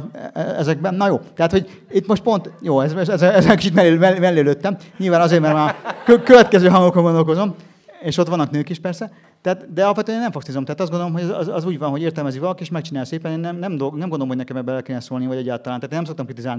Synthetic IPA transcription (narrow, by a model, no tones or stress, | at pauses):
ɛzɛɡ̚bɛnːɒjoːt̪ɛɦat̪ho̞ɟ | it̪ːmo̞ʃt̪po̞nt̪joːɛzɛzɛzɛɛzɛkit͡ʃit̪mɛemɛmɛlːeːløːt̪ːɛmɲilvaːnɒzeːɾmɛɾmaːkøkøvɛt̪kɛzøːɦɒŋɡokːolɡodolkozo̞m | eːʃo̞t̪ʋɒnːɒknøːkiʃpɛrsɛ | t̪ɛat̪d̪ɛɒlɒpfʋɛt̪øɛneːnɛɱfɒkst̪izomt̪ɛaːt̪ɒzdɡond̪olomɦozɛ̰zɛzuːɟvɒnɦoeːrt̪ɛlmɛzikʋɒlɒkieːʃmɛk̚t͡ʃinaːlseːpɛneːnːɛmnɛmd̪onɛmbɡond̪oomhɟnɛkɛmɛbɛɛlkeːnɛsoːlnivɒɟɛɟːaːlt̪ɒlaːaːt̪enɛmsokt̪ɒmkrit̪izaːlni